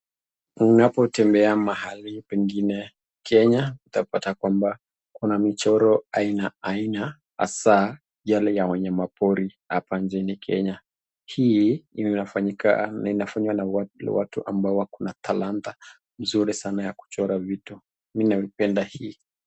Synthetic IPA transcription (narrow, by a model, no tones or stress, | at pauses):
nunapɔtɛmbɛamahalipɛŋɡinɛ | kɛɲakutapatakwamba | kunamit͡ʃɔɾɔainaaina | ha̰sa | jalɛjawɛɲɛmapɔɾiha̰pant͡ʃɛnikʰɛ̰ɲa | hi | afaɲika̰inafaɲiwanawa̰tuʔa̰mbaɔwakunat̪ʰalant̪a | m̩zuɾisanajaku̥t͡ʃɔɾavitu | minaipɛndahiː